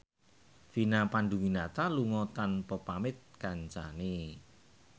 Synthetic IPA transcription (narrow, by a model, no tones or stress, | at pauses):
finapanɖuwinat̪aluŋɔt̪anpɔpamɪt̪̚kaɲt͡ʃane